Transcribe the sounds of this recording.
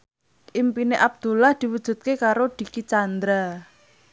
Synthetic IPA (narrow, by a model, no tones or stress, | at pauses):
ʔimpineʔab̚d̪̥ṳlahd̪̥i̤wud̥ʒ̥ṳt̪̚kekaɾod̪̥i̤kit͡ʃand̪ɾa